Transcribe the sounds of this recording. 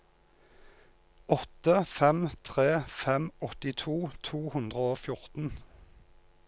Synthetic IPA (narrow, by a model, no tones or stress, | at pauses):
ɔt̪əfɛmt̪ʰʁeːfɛmɔt̪ɪt̪ʰuːt̪ʰuːhʉnd̪ʁəoːfjʊʁt̪n̩